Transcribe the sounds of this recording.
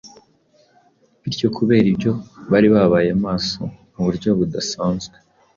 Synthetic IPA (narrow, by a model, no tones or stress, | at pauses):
βiɾjo̞kʰuβe̞ːɾibjo̞βaɾiβaβaːjemaːso̞muβuɾɟo̞βudasaːnzɡe